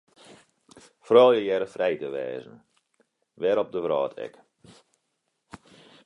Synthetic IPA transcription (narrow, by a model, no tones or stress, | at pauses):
frɔːlˠjəjɛɾəfrɛjtəʋɛ̰ːzən̩ | ʋɛɾɔp̚dəʋrɔːtʰɛ̰k